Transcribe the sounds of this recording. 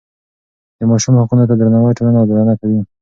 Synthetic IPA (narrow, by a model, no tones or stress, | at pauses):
d̪̥əmɑʃumhaqunot̪ad̪ɾanawəjʈolanawd̪ɾanakawi